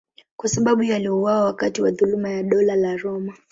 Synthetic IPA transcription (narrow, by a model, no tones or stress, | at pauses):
kwasaɓaɓujaliuwawawakatiwaðulumajaɗɔlalaɾɔma